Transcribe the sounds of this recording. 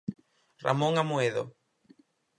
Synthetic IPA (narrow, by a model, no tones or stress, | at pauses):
ra̰mõŋamoeðo̰